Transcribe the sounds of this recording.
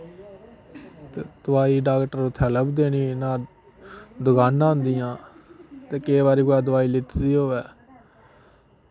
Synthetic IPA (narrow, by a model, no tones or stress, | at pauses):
t̪eːd̪̥ʊʋaːiːɖaːkʈəɾot̪ʰːɛːləbd̪eːniːnãː | d̪ʊɡaːnãːnd̪ɪjãːt̪eːkeːβaːɾiːkɛːd̪ʊʋaːiːlɪt̪d̪iːɦoːʋɛː